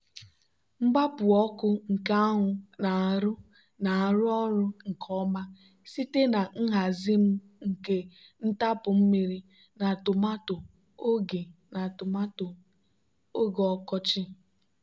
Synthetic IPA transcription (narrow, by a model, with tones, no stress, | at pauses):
ŋ͡m̩˦ɡ͡ba˦pʊ˨ɔ˦kʊ˦ŋ̩˨ka˦ɦʊ˨na˨a˨ɾʊ˦ | na˨a˨ɾʊ˦ɔ˦ɾʊ˦ŋ̩˨kʰɔ˦ma˦ | si˦te˦na˨ŋ̩˦ɦa˨zi˦m̩˦ | ŋ̩˨ke˦n̩˦ta˦pʊ˨m̩˦mi˦ɾi˦ | na˨tʊ˨ma˦tʊ˨ | o˦ɡe˨na˨tʊ˨ma˦tʊ˨ | o˦ɡɔ˨˦kɔ˦t͡ʃɪ˦